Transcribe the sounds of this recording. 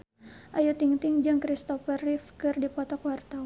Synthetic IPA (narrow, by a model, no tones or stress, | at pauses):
ʔajut̪iŋt̪ɪŋd͡ʒɨŋkɾist̪ɔfərifkɨrdipɔt̪ɔkwart̪aw